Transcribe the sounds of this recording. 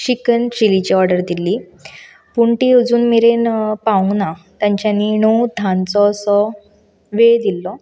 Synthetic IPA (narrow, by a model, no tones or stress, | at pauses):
ɕikənt͡ɕilit͡ɕiɔɾɖəɾd̪iliː | puɳʈiəd͡zuːnmiɾenpaũnat̪jãɲt͡ɕjaniɳ̃ud̪ʱãnt͡sɔsɔ | ʋed̪ilːɔ